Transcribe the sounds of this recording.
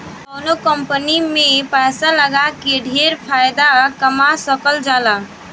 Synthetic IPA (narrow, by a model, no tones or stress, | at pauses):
ənokəmpənimepajsaləɡakeɖʱeɾpʰajd̪akəmasəkəld͡ʒala